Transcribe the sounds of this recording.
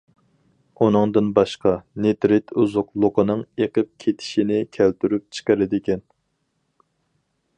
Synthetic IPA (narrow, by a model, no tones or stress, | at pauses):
unɨŋd̪ɨnbɑʃqɑnet̪ɾɪt̪ʰuzʊqlˠoqənɨŋeqəp̚kʲʰet̪ʰɪ̥ʃinɪkʲʰælt̪ʰyɾyp̚t͡ʃʰə̥qəɾɪd̪ɪkʲɛn